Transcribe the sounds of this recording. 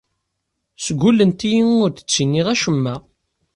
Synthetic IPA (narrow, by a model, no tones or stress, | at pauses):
səɡʷulːənt̪ijiŋʊɾθə̥t͡sːinːiʁæʃəmːæ